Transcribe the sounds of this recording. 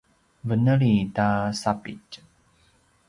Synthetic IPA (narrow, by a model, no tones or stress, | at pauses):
vənəɭitasapḭt͡ʃ